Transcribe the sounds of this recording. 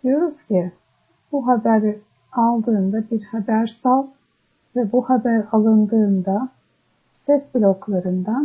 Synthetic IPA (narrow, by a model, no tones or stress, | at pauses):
d̪̥ijo̞ɾuz̥cʰi | b̥uɦabæɾ | alˠd̪ɯːnd̪abiɾhabæɾsalˠ | vɛbuhabæɾalˠɯnd̪ɯːnd̪a | sɛsbilʲo̞klˠaɾɯnd̪an